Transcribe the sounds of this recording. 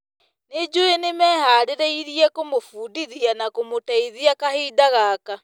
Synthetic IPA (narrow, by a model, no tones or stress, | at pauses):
ned͡ʒoenemɛːhaːɾeɾɛiɾiɛkomofuːdiðianakomotaiðiakaheːdaɣaːka